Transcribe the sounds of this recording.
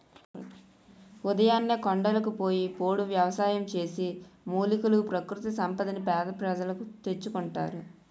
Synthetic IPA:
ud̪ɐjaːnːeːkoɳɖɐlɐkupo̞ːjipo̞ːɽuʋjɐʋɐsaːjɐmt͡ʃe̞ːsimuːlikulupɾɐkɾut̪isɐmpɐd̪inipɛːd̪ɐpɾɐd͡ʒɐlɐkut̪e̞t͡ʃːukuɳʈa̰ːɾu

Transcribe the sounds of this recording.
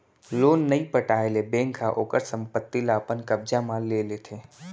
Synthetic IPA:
loːnːəĩpəʈaːelebẽːŋkʰːaʔoːkəɾsə̃mpət̪ːilapənkəbd͡ʒamãlelet̪ʰe

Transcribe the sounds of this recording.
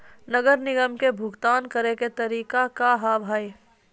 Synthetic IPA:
nəɡəɾnɪɡəmkebʱʊɡt̪aːnkəɾeket̪ɐɾiːkakaɦaːbʱaːi

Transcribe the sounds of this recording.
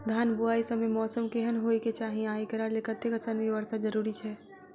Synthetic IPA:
d̪ʱjaːnbuaːisəmemɔːsəmkeɦənɦoːiket͡ʃaːɦĩaːikəɾalekət̪ːekəsənʋiʋəɾsad͡ʒəɾuːɾit͡ʃʰɛː

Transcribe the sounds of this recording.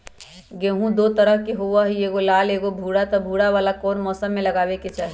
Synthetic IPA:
ɡẽːɦũd̪ot̪əɾəɦkeɦowaɦieːɡolaːleːɡobʱuːɽat̪ɔbʱuːɽaʋaːlakɔːnmɔːsəmːeləɡaːbeket͡ʃaːɦi

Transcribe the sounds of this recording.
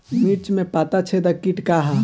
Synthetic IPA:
miɾt͡ʃmẽpaːt̪at͡ʃʰed̪ɐkiʈkaɦa

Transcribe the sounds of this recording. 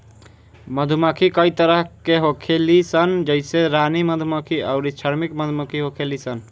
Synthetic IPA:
məd̪ʱuməkʰikəit̪əɾəɦkeɦokʰelisənd͡ʒəɪseɾaniməd̪ʱuməkʰiaʊɾit͡ʃʰəɾmikməd̪ʱuməkʰiɦokʰelisən

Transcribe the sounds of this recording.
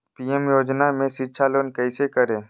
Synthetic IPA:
piːɛmjoːd͡ʒnamẽʃɪtːʃʰaloːnkəisekəɾẽː

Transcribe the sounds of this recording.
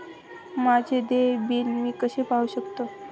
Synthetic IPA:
mad͡ʑʱed̪ebinmiːkəɕepauɕəkt̪o

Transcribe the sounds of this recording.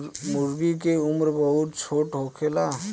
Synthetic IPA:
mʊɾɡikeʊmɾbəɦʊt̪t͡ʃʰoːʈɦoːkʰela

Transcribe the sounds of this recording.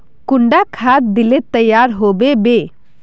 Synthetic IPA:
kuɳɖakʰat̪̚d̪ilet̪əjːaɾɦobebe

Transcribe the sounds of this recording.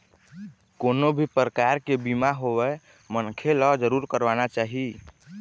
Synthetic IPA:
konobʱipɾəkaɾkebimaɦowɛ | mənkʰelɔd͡ʒəɾuɾkəɾʋanat͡ʃaɦi

